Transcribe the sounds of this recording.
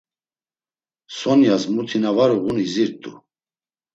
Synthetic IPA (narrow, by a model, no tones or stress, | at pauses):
sɔnjasmut̪ʰinavaɾuʁuniziɾt̪ʼṵ